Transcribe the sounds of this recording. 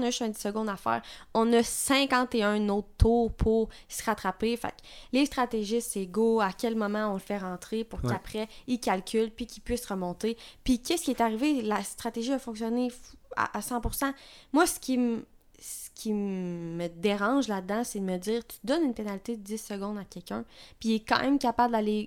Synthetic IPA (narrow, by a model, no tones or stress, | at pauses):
nəʒʏst̪ɛ̃d̪i̥səɡɔ̃d̪afɛ̰ːʁɔ̃nʌsɛ̃kɑ̃t̪eœ̃nɔt̪t̪ʰuːʁpʰuʁ | sʁat̪χapefa̰klest̪χat̪eʒɪt̪eɡoakʲɛlmɔmɑ̃ɔ̃ləfɛʁɑ̃t̪χepʊʁapχɛikʲalkʲʰylpikʲipɥɪsʁəmɔ̃t̪epikʲɛskʲiɛt̪aʁivelast̪χat̪eʒiafɔ̃ksjɔnea̰ʔːsɑ̃pʊʁsɑ̃mwasə̥kʲʰim | sə̥kʲʰiməd̪eʁɑ̃ʒlad̪̚d̪ɑ̃sɛd̪əməd͡z̪iːʁt̪y̥d̪ɔnynpenalit̪ed̪əd͡zɪsːəɡɔ̃d̪akʲɛlkʲœ̰̃piɛkɑ̰̃ːmʔɛ̃mkapabləd̪ale